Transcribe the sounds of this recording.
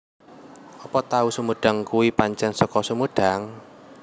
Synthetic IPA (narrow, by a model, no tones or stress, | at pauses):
ɔpɔt̪ausumuɖ̥a̤ŋkuwipaɲt͡ʃɛnsɔkɔsumuɖ̥a̤ŋ